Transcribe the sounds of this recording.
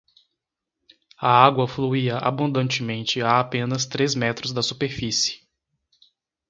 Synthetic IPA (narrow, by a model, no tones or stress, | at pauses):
ɐaɡwɐfluiɐʔa̰bũd̪ɐ̃nt͡ʃɪmẽnt͡ʃɪaːpẽnɐst̪ɾezmɛt̪ɾʊzd̪ɐsupeɾfisɪ̥